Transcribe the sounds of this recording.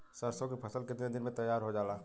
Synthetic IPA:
səɾsõkipʰɐsəlked̪ɪned̪ɪnmẽt̪ɐjːaːɾɦod͡ʒaːlaː

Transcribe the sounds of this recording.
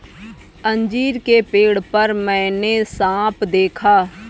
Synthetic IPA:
ə̃ɲd͡ʒiːɾkepeːɽpəɾmɛ̃ːnesãːpʰd̪eːkʰaː

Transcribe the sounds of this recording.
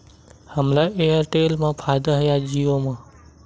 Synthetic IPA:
həmlaʔejəɾʈeːlmãːpʰaːjd̪aɦəjad͡ʒiːʋõmãː

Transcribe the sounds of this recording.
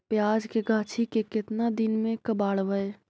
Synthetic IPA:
pjaːd͡ʒkeɡʱaːt͡ʃʰikekɪt̪nad̪ɪnmẽkəbaːɽʋəe

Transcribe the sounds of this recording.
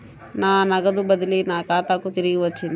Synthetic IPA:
naːnɐɡɐd̪ubɐd̪ɐlinaːkaːt̪aːkut̪iɾiɡiʋɐt͡ʃːin

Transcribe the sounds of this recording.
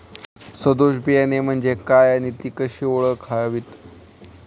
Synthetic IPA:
səd̪oɕbʱijanem̤əɳd͡ʑekajañit̪iːkəɕiːoɭəkʰaʋiːt̪

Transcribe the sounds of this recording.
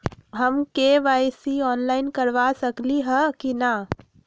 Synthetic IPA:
ɦəmkeʋaːjsiɔːnlaːɪnkəɾʋasəkliɦɛkina

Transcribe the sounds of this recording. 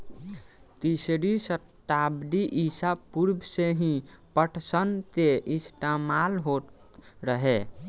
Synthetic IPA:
t̪isɾisət̪abd̪iʔisapuɾbʱseɦĩpəʈʰsənt̪eʔist̪amalɦo | ɾəɦe

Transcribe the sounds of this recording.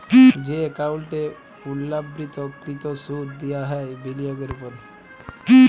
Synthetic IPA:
d͡ʒekawlʈe | ulːabɾit̪ɔkɾit̪osuɾd̪ijaɦɛbelijaɡeɾupɔɾ

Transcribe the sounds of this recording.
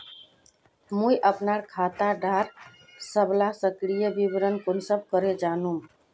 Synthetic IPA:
mujʔəpnaɾkʰat̪aɖʱaɾ | səblasəkɾijəbibɾənkonsəb̚ʱkəɾed͡ʒanum

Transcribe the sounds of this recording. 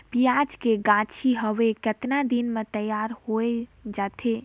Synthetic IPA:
pijad͡ʒkeɡãt͡ʃʰiɦəʋekət̪nad̪inmet̪əjaɾhoed͡ʒat̪ʰe

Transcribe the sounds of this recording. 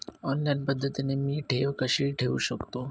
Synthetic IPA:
ɔnlajnpəd̪ʱːət̪inemiːʈʰeʋkəɕiɭʈʰeṵʃəkt̪o

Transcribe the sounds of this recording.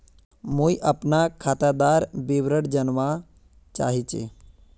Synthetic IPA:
muiʔɐpnakʰaːt̪ad̪aːɾbiʋɾəɽd͡ʒənʋa | t͡ʃa̰ːɦit͡ʃḛ

